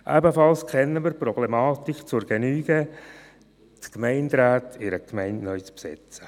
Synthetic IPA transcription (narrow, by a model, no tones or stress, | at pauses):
ʔɛ̰bəfɑlskʰχɛnːəməɾprɔblɛmɑːt̪ikt͡sʊɾɡ̥enyːɡ̥ə | tkmɛɪndɾaːtʰɪɾəkʰmɛɪntnœʏt͡spsɪt͡sə̥